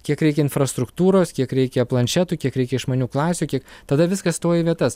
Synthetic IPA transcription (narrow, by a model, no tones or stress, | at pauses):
kʲiɛkɾʲɛɪkʲɛɪnfɾɐst̪ɾʊkt̪uːɾoːskʲiɛkɾʲɛɪkʲɛplˠɐnʲt͡ʃʲæt̪uːkʲiɛkɾʲɛɪkʲɛɪʃmɐːnʲuːklˠɑːsʲuːkʲiɛkt̪ɐd̪ɐʋʲɪskɐsst̪oːjɪʋʲiɛt̪ɐs